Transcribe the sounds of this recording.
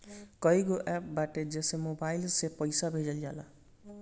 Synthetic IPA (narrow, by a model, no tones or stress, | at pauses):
kʌjɡoʔɛp̚baʈed͡zesemobajlsepʌjsabʱed͡ʒʌljala̰